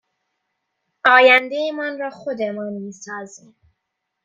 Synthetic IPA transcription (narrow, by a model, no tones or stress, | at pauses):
ɒːjænd̪ejemɒːnɾɒːxod̪emɒːnmiːsɒːzim